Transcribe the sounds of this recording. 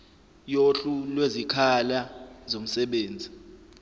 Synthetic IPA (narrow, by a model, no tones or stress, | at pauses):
joɬulwezikʰalazom̩sɛɓeːnd͡zʱi